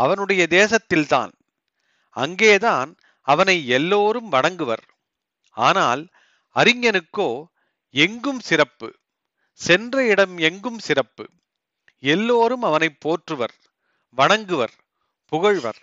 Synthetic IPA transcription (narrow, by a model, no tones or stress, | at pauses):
ɐʋɐnɯɽɐjɐd̪eːsɐt̪ːɪlt̪a̰ːn | ɐ̰ŋɡeːðaːn | ɐʋɐnɐɪɛlːoːɾɯmʋɐɳɐŋɡɯʋɐ̰ɾ | aːnaːl | ɐɾɪŋːɐnɯkːoː | ɛŋɡɯmsɪɾɐpːɯ̰ | sɛndrɐɪɽɐmɛŋɡɯmsɪrɐpːɯ̰ | ɛlːoːɾɯmɐʋɐnɐɪpːoːʈrɯʋɐɾ | ʋɐɳɐŋɡɯʋɐɾ | pʊɣɐɻʋɐ̰ɾ